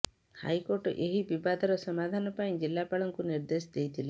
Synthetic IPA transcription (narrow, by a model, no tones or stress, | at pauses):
ha̰jkoɾʈɔ̰ʔeɦibibad̪ʱɔɾɔsɔmad̪ʱanɔpaj̃d͡ʒilːapaɭɔŋkuniɾd̪esd̪ejt̪ʰile